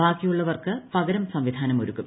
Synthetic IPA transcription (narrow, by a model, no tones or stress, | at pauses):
aːkːijuɭːɐʋɐrkɨpɐɡɐɾɐmsɐmʋid̪ʱaːnɐmoɾukːum